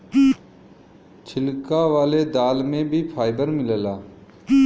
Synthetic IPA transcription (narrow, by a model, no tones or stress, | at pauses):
t͡ʃʰɪlkaʋaːled̪aːlmẽbʱipʰaːɪd̪əɾmɪləlaː